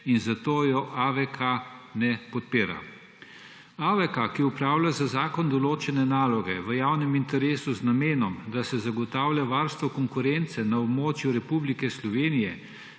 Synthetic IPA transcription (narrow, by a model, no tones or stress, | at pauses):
inzat̪oːjɔʔaʋɛkʰanɛpɔt̪̚piːɾa̰ | aʋɛkakiupɾaːwlʲjazazaːkɔnd̪ɔloːt͡ʃɛnɛnaːlɔɡɛʋəjawnɛmint̪ɛɾeːsuznameːnɔmd̪asɛzaɡɔt̪awlʲjaʋaːɾst̪ʋɔkɔŋkuɾɛnt̪sɛnaɔbmoːt͡ʃjuɾɛpublikɛslɔʋeːnijɛ